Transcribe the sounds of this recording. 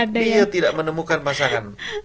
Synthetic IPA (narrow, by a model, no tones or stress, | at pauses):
ijat̪idaʔmənəmukanpasaŋan